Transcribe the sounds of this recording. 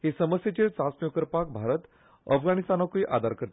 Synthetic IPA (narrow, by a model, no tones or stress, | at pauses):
hisəməsjet͡ɕiɾt͡sasmjokəɾpak̚bʱaɾət̪ | əfɡañist̪anːakuiʔad̪ʱaɾkəɾt̪